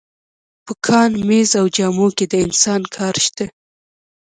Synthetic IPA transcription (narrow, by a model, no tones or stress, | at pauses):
pəkʰɑnmezawd͡ʒɑmoked̪əɪnsɑnkʰɑɾʃt̪a